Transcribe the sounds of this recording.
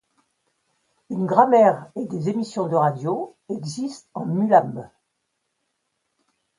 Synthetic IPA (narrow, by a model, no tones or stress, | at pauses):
ynɡʁamɛʁed̪ezemisjɔ̃d̪əʁad̪joɛɡzist̪ɑ̃mylam